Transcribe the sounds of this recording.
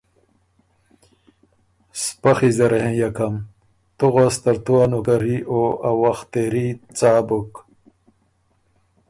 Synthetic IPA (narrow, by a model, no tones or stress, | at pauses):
spɐxizeɾhẽjakɐm | t̪uɣast̪ɐɾt̪uwanukɐɾioɐwaxt̪eɾit͡saːbuk